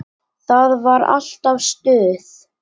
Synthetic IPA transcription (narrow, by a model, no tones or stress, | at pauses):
θaðvaɾa̰l̥t̪avst̪ʏːðɪθ